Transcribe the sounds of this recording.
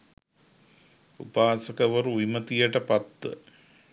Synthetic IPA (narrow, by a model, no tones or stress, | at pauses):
ṵpaːsəkəʋəɾuimət̪ijəʈəpat̪ʋə̰